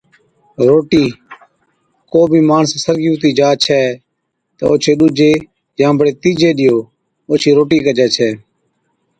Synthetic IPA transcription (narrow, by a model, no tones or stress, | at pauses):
ɾoːʈiː | koːbʱiːmaːɳssəɾɡuːt̪iːd͡ʒaːt͡ʃʰɛː | t̪ə̰oːt͡ʃʰeːɗʊd͡ʒeː | jãːbəɽeːt̪iːd͡ʒeːɗɪjoː | oːt͡ʃʰiːɾoːʈiːkəd͡ʒɛːt͡ʃʰɛː